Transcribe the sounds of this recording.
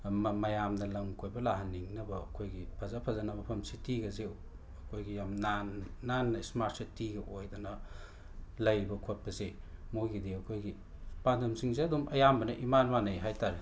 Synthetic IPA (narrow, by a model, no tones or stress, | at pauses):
mmɐjamnɐlɐŋkʰojbɐlaɦɐnːiŋnɐbɐːkʰojɡipʰɐzapʰɐzanɐmɐpʰɐmsitiɡɐze | ɐkʰojɡijamnanːanːɐismaɾt̚setiɡɐʔojdonɐ | lɐjbɐkʰot̚pɐze | mojɡidiɐkʰojɡi | pandɐmsiŋzeɐdumʔɐjambɐnɐʔimanwanɐjɦajtaɾe